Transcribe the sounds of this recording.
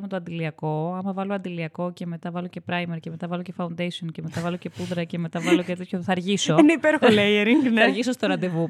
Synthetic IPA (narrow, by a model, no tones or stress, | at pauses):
met̪oɐnd̪iliɐko̞ɐmɐvɐloɐnd̪iliɐko̞ce̞me̞t̪ɐvɐlo̞ce̞pɾɐjmeɾcemet̪ɐvɐlo̞ce̞fɐund̪ejsionceme̞t̪ɐvɐlo̞ce̞puðɾɐce̞me̞t̪ɐvɐlocet̪et̪çoθɐɾʝiso̞eneipeɾxolejeɾiŋɡnɐɾʝiso̞st̪oɾɐnd̪e̞vu